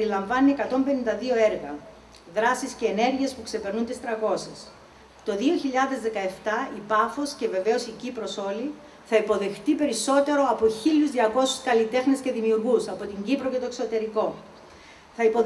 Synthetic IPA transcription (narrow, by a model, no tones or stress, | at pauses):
ɾilɐɱvɐnːiekɐt̪o̞mbe̞nind̪ɐðio̞e̞ɾɣɐ | ðɾɐsisceːne̞ɾʝiespukse̞pe̞ɾnunt̪ist̪ɾɐko̞ses | t̪o̞ðio̞çiʎɐðe̞zðe̞kɐe̞ft̪ɐipɐfo̞sce̞ve̞ve̞o̞sicipɾo̞so̞li | θɐipo̞ðe̞xt̪ipe̞ɾiso̞t̪e̞ɾo̞ɐpoçiʎuzðiɐko̞suskɐlit̪e̞xnesce̞ðimiuɾɣusɐpo̞t̪iɲɟipɾo̞ce̞t̪oekso̞t̪e̞ɾiko̞ | θɐipo